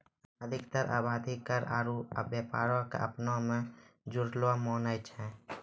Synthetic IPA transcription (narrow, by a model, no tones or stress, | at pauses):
əd̪ʱɪkt̪əɾʔa̰ːbaːd̪ʱikəɾa̰ːɾuə̰bjəpa̰ːɾakḛʔəpnõmẽd͡ʒʊɾlwamɔːnajt͡ʃʰɛ̃